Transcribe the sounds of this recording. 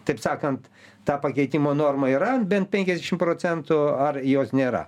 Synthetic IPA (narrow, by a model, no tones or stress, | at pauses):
t̪ɐɪpsɑːkɐnt̪ | t̪ɑːpɐkʲɛɪt̪ʲiːmoːnoːrmɐiːɾɐbʲɛnt̪̚pʲɛŋʲkʲɛzd̪ʲɛʃʲɪmpɾoːt͡s̪ʲɛnt̪ʊɐrjoːsnʲeːɾɐ̰